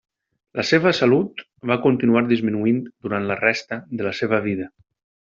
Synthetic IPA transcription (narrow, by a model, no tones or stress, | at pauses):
ləseβ̞əsəlut̪ | βakunt̪inuaɾd̪izminuind̪uɾant̪lərɛst̪əðələseβ̞əβ̞iðə